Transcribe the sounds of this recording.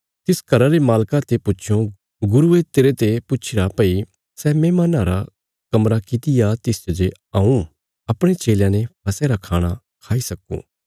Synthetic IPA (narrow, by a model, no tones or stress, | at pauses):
t̪ɪskɐɾaɾemaːlkat̪epʊʃʰõ | ɡʊɾuet̪eːɾet̪epʊtːt͡ʃʰɪɾapɐi | sɛːmeːmanaːɾa | kɐmɾakɪt̪ɪjat̪ɪsd͡ʒɐd͡ʒe | ãːũ | ɐpɽ̃et͡ʃeːljãnepʰɐseɾakʰaːɽ̃a | kʰaːisɐkːṵ̃ː